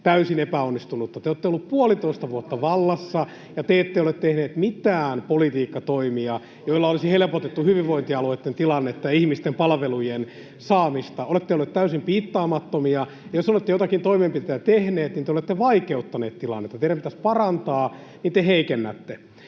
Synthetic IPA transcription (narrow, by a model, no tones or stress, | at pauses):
t̪æysinepæonːist̪unut̪ːɑt̪eoːt̪ːeolːuppuolit̪oist̪ɑʋuot̪ːɑʋɑlːɑsːɑ | jɑt̪eet̪ːeiolet̪tet̪ehneːt̪mit̪æːnpolit̪iːkːɑt̪oimiɑ | joilːɑolisihelepot̪et̪ːuhyʋiʋʋoint̪iɑloit̪ːent̪ilɑnːet̪ːɑjɑihmist̪empɑlʋelujen | sɑːmist̪ɑolet̪ːeolːet̪t̪æysimpiːt̪ːɑːmɑt̪ːomiɑ | jɑjosolet̪ːejot̪ɑkint̪oimempit̪ejæt̪ehneːt̪nint̪eolet̪ːeʋɑikeut̪ːɑneːt̪t̪ilɑ̰nːet̪ːɑt̪eiɾæmpit̪æspɑrɑnt̪ɑː | nint̪eheikenːæt̪ːe